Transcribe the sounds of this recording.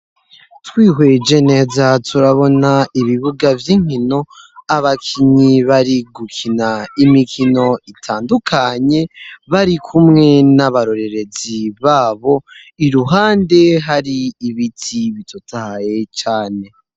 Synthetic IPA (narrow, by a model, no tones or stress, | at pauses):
twiːɦwed͡ʒe̞ne̞zatʰuɾaβo̞naiβiβuɡavjiːŋ̥ino̞aβakʰiɲiβaɾiɡukʰinaimikʰino̞itʰaːndukʰaɲe̞βaɾikʰumŋe̞naβaɾo̞ɾe̞ɾe̞ziβaːβo̞iɾuɦaːnde̞ɦaɾiːβitʰiβitʰotahaje̞t͡ʃaːne̞